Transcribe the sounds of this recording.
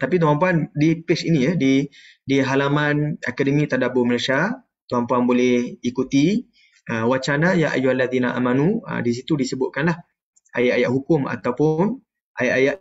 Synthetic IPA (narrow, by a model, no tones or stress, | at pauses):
t̪apit̪̬uampuandipɪsinijədi | diɦalamãnakadəmĩt̪adaboməlasa | t̪uampuanbolɛhikut̪i | ʔəwat͡ʃanajaʔa̰juhalːaðinaʔa̰manuə̰dis̬it̪udisəbʊʔ̪̚kanlah | ʔa̰jaʔajaʔɦukʊma̰t̪awpʊn | ʔajaʔajaʔ